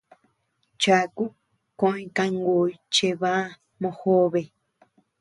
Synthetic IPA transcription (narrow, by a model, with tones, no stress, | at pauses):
t͡ʃa˨ku˦ | kõ˧˦ĩ˧kã˧ŋɡoː˨i˦˧t͡ʃe˧βã˦˧ | mõ˧ho˦βe˨